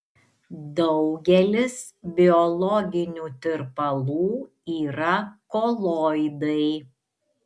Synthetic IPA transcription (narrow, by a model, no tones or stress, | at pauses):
d̪ɒʊɡʲɛlʲɪsbʲɪɔlˠɔɡʲɪnʲuːt̪ʲɪɾpɐlˠuː | iːɾɐkoːlˠɔːɪd̪ɐɪ